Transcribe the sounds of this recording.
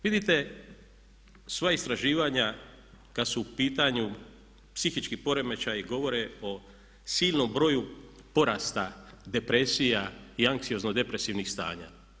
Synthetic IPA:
ʋid̪it̪e̞ | sʋaist̪ɾaʒiːʋaɲa | kad̪suːpiːt̪aɲu | psixit͡ʃkipo̞ɾe̞me̞t͡ʃajiɡo̞ʋo̞ɾe̞o̞ | siːʎno̞mbɾo̞ju | po̞ɾaːst̪ad̪e̞pɾe̞sijaiaŋksio̞znod̪e̞pɾe̞siːʋnixst̪a̰ːɲa̰

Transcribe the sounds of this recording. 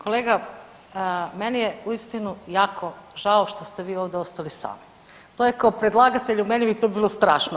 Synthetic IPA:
koleːɡa | menijeuist̪inujaːkʰo̞ʒaoʃt̪o̞st̪eʋiːoʋd̪eost̪alisa̰ːm | t̪ojekaopɾed̪lˠaːɡat̪eʎumenibit̪obiːlˠo̞st̪ɾaːʃno

